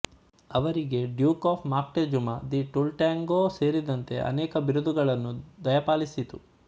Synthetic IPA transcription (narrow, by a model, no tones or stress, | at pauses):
ɐʋɐɾiɡe̞ɖjuːkaːpʰmaːk̚ʈed͡ʒumɐd̪iʈulʈaːŋɡoːse̞ːɾid̪ɐnt̪e̞̰ʔɐ̰nɛːkɐʋiɾud̪uɡɐɭɐnːud̪ɐjɐpaːlisit̪ṵ